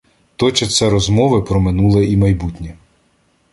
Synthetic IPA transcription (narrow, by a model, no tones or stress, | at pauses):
t̪ɔt͡ʃɐt̪sɛɾɔzmɔʋɪpɾɔmɪnulˠɐimɐjbutʲnʲɛ